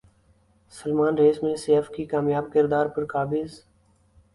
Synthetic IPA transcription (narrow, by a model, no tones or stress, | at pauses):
səlmaːnɾeːsmẽseːfkikaːmjaːbkɪɾd̪aːɾpəɾkaːbɪz